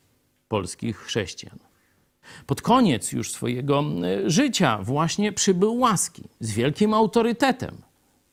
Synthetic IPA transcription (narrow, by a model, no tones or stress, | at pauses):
pɔlskʲixːʂɛɕt͡ɕija̰n | pɔt̪kɔɲɛt̪sjṵʂsfɔ̰jɛɡɔʐɘt͡ɕa̰vwaɕɲɛpʂɘbɘwːaskʲḭzvʲjɛlkʲimawt̪ɔɾɘt̪ɛt̪ɛ̰m